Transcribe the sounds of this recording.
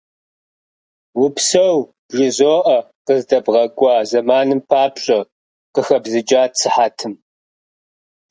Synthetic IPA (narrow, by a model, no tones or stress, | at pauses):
wʊpsɐw | b̥ʒɪzoːʔɐqəzdɐbʁɐɡʷʼɑːzɐmaːnɨmpʰaːpɕʼɐ | qəxɐbzɨd͡ʒʼaːtsʰɨħatʰɨm